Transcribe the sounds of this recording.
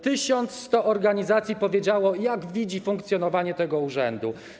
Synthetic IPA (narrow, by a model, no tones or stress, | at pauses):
t̪ɘɕɔnt̪sst̪ɔʔɔɾɡaɲizat̪sʲjipɔvʲjed͡ʑawɔjaɡvʲid͡ʑifuŋkt̪sjɔnɔvaɲɛt̪ɛɡɔuʐɛnd̪u